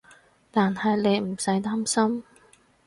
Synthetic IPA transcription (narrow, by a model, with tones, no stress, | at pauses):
t̪aː˨nhɐ˨jne˨˧jm̩˨˩sɐ˨˥jt̪aː˥msɐ˥m